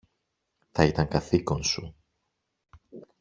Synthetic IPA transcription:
θɐit̪ɐŋkɐθiko̞nsu

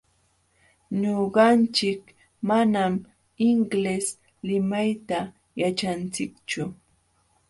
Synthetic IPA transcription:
ɲoɢɑnt͡ʃɪk | manam | ɪŋɡles | lɪmajt̪a | jat͡ʃant͡sɪkt͡ʃʊ

